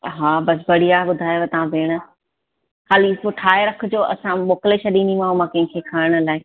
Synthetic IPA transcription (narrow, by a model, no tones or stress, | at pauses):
ɦaːbɐsbɐɽiaːɦeɓʊd̪ʱaːjoat̪ɐʋãbʱeːɽ̃ə | xaːlipʊʈʰaːeɾɐkʰʊ̆d͡ʑoːʔɐ̰sãmoːkleʃʰɐɗĩnimãɦomãkɐ̃ɦɪ̃kʰekʰaːɪɽ̃ʊlaːɪ